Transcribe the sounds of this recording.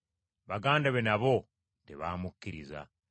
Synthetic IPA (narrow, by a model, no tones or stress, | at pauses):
βaɡaːndaβenaβo̞ | tḛβamukːiɾiza̰